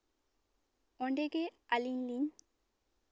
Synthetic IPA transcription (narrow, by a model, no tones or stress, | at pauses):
ɔɳɖeɡealinliɲ